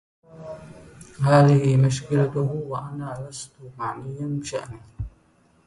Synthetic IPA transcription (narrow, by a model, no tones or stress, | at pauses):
haːðɪhɪmʊʃkɪlat̪ʊhwaʔanaːlast̪ʊmaʕnɪjːanbɪʃaʔni